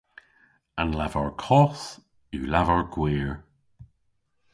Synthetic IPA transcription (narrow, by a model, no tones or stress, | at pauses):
anlavəɹkʰɔθ | uːlavəɹɡwiːɹ